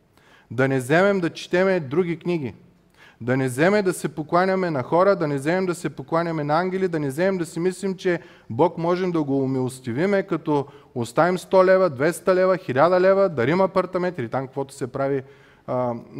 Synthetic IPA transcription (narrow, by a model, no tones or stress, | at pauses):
d̪ɐnɛzɛmɛmd̪ɐt͡ʃi̥t̪ɛmɛd̪ɾuɡʲikniɡʲi | d̪ɐnɛzɛmɛd̪ɐsɛpoklˠanʲɐmɛnɐxɔɾəd̪ɐnɛzɛmɛmd̪ɐsɛpoklˠanʲɐmɛnɐaŋɡʲɛlid̪ɐnɛzɛmɛmd̪ɐsimislimt͡ʃɛ | bɔkmɔʒɛmd̪ɐɡoːmilˠost̪ivimɛkɐt̪ɔ | ost̪avimst̪ɔlɛvɐd̪vɛst̪ɐlɛvɐxilʲad̪ɐlɛvəd̪ɐɾimɐpɐɾt̪ɐmɛ̃nt̪ilit̪amkkvɔt̪ʊ̥sɛpɾavi